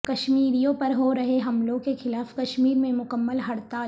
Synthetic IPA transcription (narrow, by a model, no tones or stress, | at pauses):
kɐʃmiːɾijõpɐɾɦoɾɐɦeɦɐmloːɡkexɪlaːfkɐʃmiːɾmẽmʊkəmːəlɦɐɽt̪a